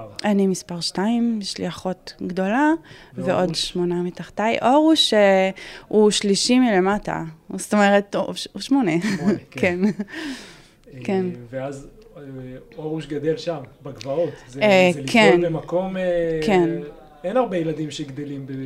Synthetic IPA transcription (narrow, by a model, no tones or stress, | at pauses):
ʔanimispaʁʃtaimʃlḭaχo̞tɡdo̞laveʔo̞dʃmo̞namitaχtajʔoʁuʃeuʃliʃimilemata̰st̪omeʁetuʃmoneken | kenveaz | oʁuʃɡad̪elʃambaɡvaot̪zekʰenemako̞mken | enaʁbejelad̪imʃeɡd̪elimbe